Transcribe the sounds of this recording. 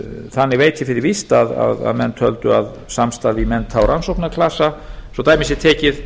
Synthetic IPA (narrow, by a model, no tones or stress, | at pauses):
θanːɪɣveːjt̪ʰɪfɪɾɪɾvist̪aða̰ða̰ðmɛnːt̪ʰœlt̪ʏa̰ð | samst̪aɾvimɛnːt̪ʰːawɾʔansowknakʰlasasɔt̪aːjmɪsɪt̪ʰɛːcɪð